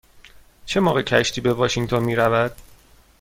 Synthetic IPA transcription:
t͡ʃʰe̞mɒːɣecʰæʃt̪ʰiːbevɒːʃiŋt̪ʰonmiːɾævæd̪̥

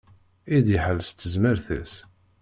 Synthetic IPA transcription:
id̪iħəlːst̪ːəzməɾθæ̰s

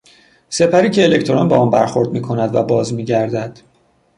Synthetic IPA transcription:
se̞pʰæɾiːcʰeːlecʰt̪ʰoɾɒnbɛɒːnbæ̰ɾxo̞ɾd̪̚miːkʰo̞næd̪væ̰bɒːzmiːɟæɾd̪æd̪̥

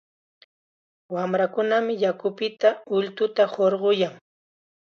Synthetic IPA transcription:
wamɾakʊnamɪjakʊpɪt̪aʊʎt̪ʊt̪ahoɾɢojaŋ

